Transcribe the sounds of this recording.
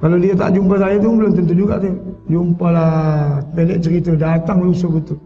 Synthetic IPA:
kalodiat̪a̰ʔd͡ʒump̬asajat̪̬uŋbəlʊmt̪ənt̪ud͡ʒuɡa̰ʔt̪ed͡ʒumpalapelɛʔt͡ʃəɾit̪adat̪aŋlusobət̪u

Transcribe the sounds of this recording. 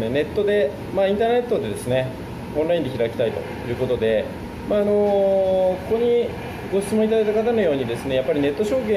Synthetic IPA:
nene̞t̪ːo̞d̪e̞ | maĩnt̪aːne̞t̪ːo̞d̪e̞d̪e̞sɨne̞ | õñɾaĩnd̪e̞çiɾakʲi̥t̪ait̪o̞̰jɯ̟ːko̞t̪o̞d̪e̞ | maːno̞ | kokoɲ̟i | ɡoɕɨ̥t͡sɨmõit̪ad̪ajt̪akat̪ano̞jo̞ːɲ̟id̪e̞sɨne̞japːaɾʲine̞t̪ːo̞ɕo̞ːkẽ

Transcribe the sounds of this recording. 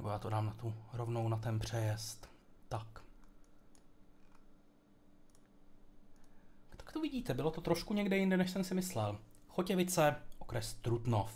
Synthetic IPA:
nɛbojaːt̪odaːmnat̪uɾovno̞wnat̪ɛnpr̝̥ɛjɛst̪t̪ːak | tt̪ḁkt̪ovɪɟiːt̪ɛbɪlot̪ot̪ɾoʃkuɲɛɡdɛjɪndɛnɛʃsɛmsɪmɪslɛlxocɛvɪt͡sɛʔokɾɛst̪ɾut̪nof

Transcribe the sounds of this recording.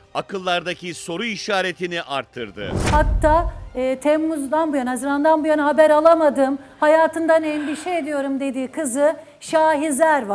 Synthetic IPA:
akʰɯlˠːaɾd̪aciso̞ɾuiʃaːɾe̞t̪ʰiniʔa̰ɾt̪ʰːɯɾd̪ɯ̰hat̪ʰːaːɯt̪ʰɛmːuzd̪anbujanaazɯɾand̪anbujanɯɦabæɾalˠamad̪ɯːmhajaːt̪ʰɯnd̪aneinbiʃejed̪ijo̞ɾumd̪e̞d̪iːkʰɯzɯ | ʃaːɦizlʲæɾva

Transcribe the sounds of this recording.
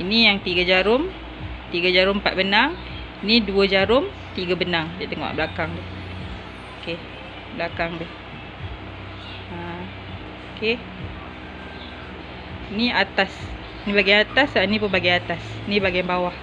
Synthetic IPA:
inijaŋt̪iɡad͡ʒaɾʊm | t̪iɡad͡ʒaɾʊmpat̪̚bənaŋ | iniduəd͡ʒaɾʊm | t̪iɡabənaŋdat̪əŋɔ̰ʔbəlakaŋdɪh | oke | bəlakaŋdɪh | a | oke | iniat̪as | inĩbaɡajat̪asainĩpənbaɡajat̪as | inĩbaɡijmbawah

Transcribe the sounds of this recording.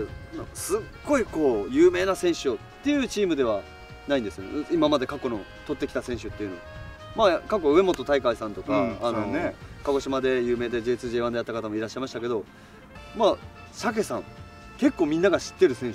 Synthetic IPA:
n̰sɨɡːo̞iko̞ːjɯːme̞ːnasẽ̞ɰ̃ɕɨtt̪ːe̞jɯ̟ːt͡ɕiːmɯ̟d̪e̞β̞a | naĩnd̪e̞sɨjonḛimamad̪e̞kakːo̞no̞̰ | t̪o̞t̪ːe̞kʲi̥t̪asẽɕɨt̪ːe̞jɯ̟no̞ | makakːoɯ̟e̞mo̞t̪o̞t̪aikaisãnt̪o̞kaːnonekaɡo̞ɕimad̪e̞jɯ̟ːme̞ːd̪ed͡ʑe̞ːt͡sɨʑe̞ːãnd̪eat̪ːakat̪̬amo̞iɾaɕːaimaɕit̪ake̞d̪o̞ | maː | sak̬e̞sãŋ | ke̞kːo̞ːmʲĩnːaɡaɕi̥t̪ːe̞ɾɯ̟sẽ̞ɰ̃ɕ

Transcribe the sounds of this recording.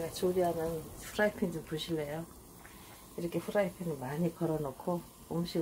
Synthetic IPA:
ɡat͡ɕoɾiɦamjʌnpʰuɾaipʰiŋd͡ʑompoɕʰilːejo | iɾʌkʰe̞pʰuɾaipʰiŋimaɲikʌɾʌnokʰoː | muɕʰiɡ

